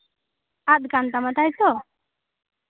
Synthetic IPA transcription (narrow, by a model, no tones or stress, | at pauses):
at̪̚kant̪amat̪ajt̪ɔ